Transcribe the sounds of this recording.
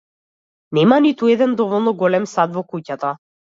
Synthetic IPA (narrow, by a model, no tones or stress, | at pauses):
nɛmanit̪uɛd̪ɛnd̪ɔvɔlˠnɔɡɔlɛmsad̪vɔkucat̪a